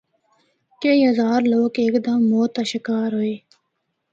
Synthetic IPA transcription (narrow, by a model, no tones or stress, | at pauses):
keiːɦɐzaːɾloːkeːkd̪əmːoːt̪aʃɪkaːɾɦoːeː